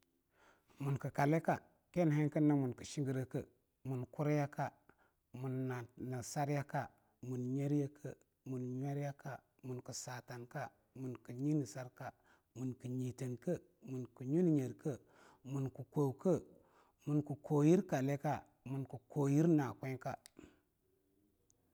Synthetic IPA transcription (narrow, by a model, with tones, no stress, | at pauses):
mu˨nku˨ka˨le˦ka˦˨ | ke˦n˨ɦe˦nkə˦nːa˦mu˨nku˨ʃi˦ŋɡi˦ɾə˦kə˦˨ | mu˨nku˦ɾja˦ka˦ | mu˨nːa˨na˨sa˦ɾja˦ka˦ | mu˨nɲe˦ɾja˦kʰə˦ | mu˨nɲe˦ɾja˦ka˦ | mu˨nku˨sa˨ta˨nka˦ | mu˨nku˨ɲi˦ni˨sa˦ɾka˦ | mu˨nku˨ɲi˨tə˨nkə˦ | mu˨nku˨ɲu˦n˨ɲe˨ɾkə˦ | mu˨nku˨ko˨wkə˦ | mu˨nku˨ko˨ji˦ɾka˨le˦ka˦ | mu˨nku˨ko˨ji˦ɾna˨kʷe˦ka˦